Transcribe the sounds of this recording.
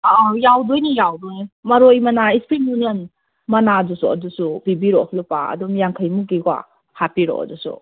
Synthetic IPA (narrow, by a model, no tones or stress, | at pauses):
jawdojnijawdojmɐɾojmɐnaispɾimjunijən | mɐnadusuɐ̰dusubibiɾɔlupa̰ɐ̰dumjaŋkʰəjmuɡiɡwa̰ | hapiɾɔ̰ɐ̰dusṵ